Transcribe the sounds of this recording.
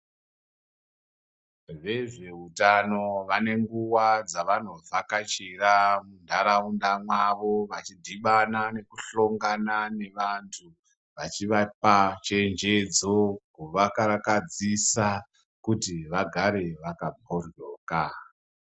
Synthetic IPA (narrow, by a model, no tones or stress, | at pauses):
ʐe̞ʐe̞utano̞ʋane̞ŋɡuwad͡zaʋano̞vakat͡ʃiramundʱaɾaundamwaʋo̞ʋat͡ʃidʱiɓanane̞kuɬo̞ŋɡanane̞ʋantʰu | ʋat͡ʃiʋapat͡ʃe̞nd͡ʒe̞d͡zokuʋakaɾakad͡zisa | kutiʋaɡʱaɾe̞ʋakabʱorjoːka